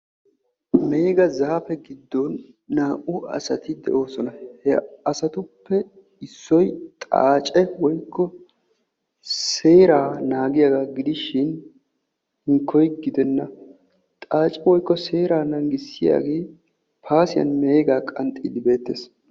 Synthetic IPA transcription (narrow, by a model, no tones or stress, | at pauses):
me̞ːɡɐzaːfɛɡɪd̪ːɔnː | aːʔʊɐ̰sɐt̪ɪd̪ɛ̰ʔo̞ːsɔnɐhɛɐsɐt̪ʊpːɛ | ɪsːɔjt̪ʼa̰ːt͡ʃʼɛwɔjkːɔ | se̞ːɾaːnaːɡɪjaɡaɡɪd̪ɪʃɪn | hɪŋkʰːɔjɡɪd̪ɛnːɐ | t̪ʼaːt͡ʃʼɛwɔjkːɔse̞ːɾaːnɐŋɡɪsːɪja̰ːɡeː | pʰaːsɪjɐ̰nme̞ːɡaːkʼɐnt̪ʼːḭd̪ɪbe̞ːt̪ːeːs